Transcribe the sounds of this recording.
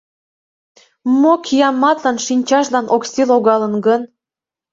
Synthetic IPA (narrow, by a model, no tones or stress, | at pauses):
mokʰijɑmːɑt̪lɑnʃinʲt͡ɕɑʃlɑnʔoksiloɣɑlənɡən